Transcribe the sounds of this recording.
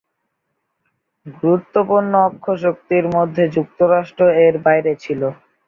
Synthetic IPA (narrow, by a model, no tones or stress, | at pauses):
ɡuɾut̪ːopuɾnːoɔkʰːoʃok̚t̪iɾmod̪ʱːed͡ʑuk̚t̪oɾaʃʈɾoeɾbajɾet͡ɕʰilo